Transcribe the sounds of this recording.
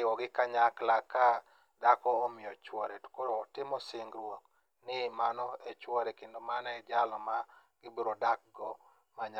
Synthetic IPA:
ɪwɔɡɪkaɲaklaka | dakɔːmɪjɔt͡ʃwɔɾɛtu̥koɾoːtɪmɔsɪŋɡɾwok | nɪmanɔet͡ʃwɔɾɛkendomanɔɛd͡ʒalɔmaɡɪbiɾodak̚ɡɔ | maɲa

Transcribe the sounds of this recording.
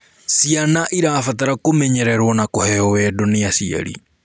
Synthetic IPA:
sianaʔiɾaːfataɾakomɛɲɛɾɛɾwɔnakohɛɔwɛdɔneasia̰ɾḭ

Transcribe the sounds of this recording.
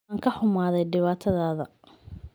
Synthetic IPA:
ŋkʰɐħʊmaːðɛjɖɪβaːt̪ʰɐðaːðɐ̰

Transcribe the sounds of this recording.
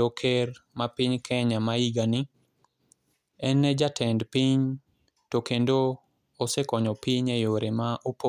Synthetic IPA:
okʰeɾmapiɲkʰɛɲamaiɡanɪ | ɛnːɛd͡ʒatʰɛndpiɲ | tokendo | osɛkɔɲɔpiɲejoɾemaʔupo

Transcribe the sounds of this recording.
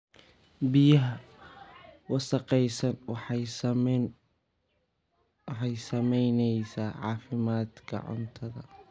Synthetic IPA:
bɪjɐɦɐ | wɑsɑqɛjsɐnwħ | wħɑjsɐmɛjnɛjsaːʕɑ̰ːfɪmaːd̪kʰɐ̰ʕʊ̰nt̪ʰɐðɐ̰

